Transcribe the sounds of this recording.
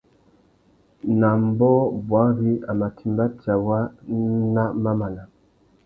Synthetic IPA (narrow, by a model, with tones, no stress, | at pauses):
na˨m˦bɔ˦bwa˨˦ɣi˦a˨ma˨tʰi˨mba˦ta˨wa˦na˦ma˦ma˨la˨